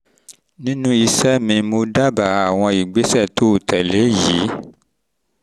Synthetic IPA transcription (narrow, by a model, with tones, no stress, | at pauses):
nĩ˦nũ˦i˧sɛ˦mĩ˧mo˧da˦ba˨a˨w̃ɔ̃˧i˨ɡ͡be˨˦sɛ˦˨to˨˦o˨tɛ˨le˨˦ji˨˦